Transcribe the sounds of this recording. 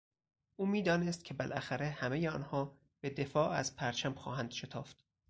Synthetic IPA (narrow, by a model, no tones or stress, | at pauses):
ʔuːmiːd̪ɒːnest̪̚cʰe̞belʔæxæɾehæmejeɒːnhɒː | be̞d̪e̞fɒːʔæ̰z̥pʰæɾt͡ʃʰæmxɒ̰ːɦænd̪̥ʃe̞t̪ʰɒːft̪